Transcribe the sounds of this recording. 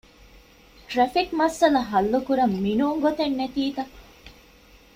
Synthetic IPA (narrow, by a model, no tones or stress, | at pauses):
t̪ɾɐfikmɐsɐlɐɦɐlːukuɾɐmːinuːŋɡot̪enːet̪iːt̪ɐ